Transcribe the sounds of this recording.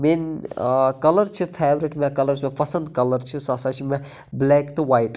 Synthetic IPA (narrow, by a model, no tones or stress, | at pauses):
min | kɐlɐɾt͡ʃʰipʰeːʋɾiʈmẽkɐlɐɾsmẽpɐsɐ̃nd̪kɐlɐɾt͡ʃʰisɐsat͡ʃʰimẽ | bleːkt̪ɨwaːjʈ